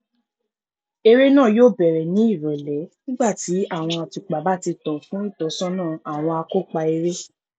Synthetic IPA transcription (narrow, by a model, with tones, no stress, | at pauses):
e˧ɾe˦nãː˦˨joː˦˨bɛ˨ɾɛ˨nĩ˨˦i˦˨ɾɔ˨lɛ˨˦nĩ˦ɡ͡ba˦˨ti˨˦a˦˨w̃ɔ̃˧a˧ti˨k͡pa˨˦ba˦˨ti˧tɔ̃˨fũ˦i˦˨tɔ˨˦sɔ̃˦nãː˦˨a˨w̃ɔ̃˧a˧ko˦˨k͡pa˧e˧ɾe˦